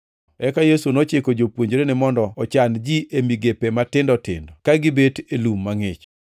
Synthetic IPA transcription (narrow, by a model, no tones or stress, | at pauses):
ɛkajesunot͡ʃekod͡ʒopwoɲd͡ʒɾenɪmɔndɔɔt͡ʃand͡ʒiʔemiɡepematɪndɔtɪ̰ndɔkaɡɪbetelumːaŋet͡ʃ